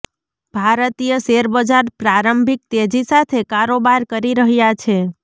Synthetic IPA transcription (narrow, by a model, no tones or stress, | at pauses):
b̥ʱaɾət̪ijəseɾbəd͡ʒaɾpɾaɾəmbʱik̚t̪ed͡ʒisat̪ʰekaɾobaɾkəɾiɾəɦjat͡ʃʰe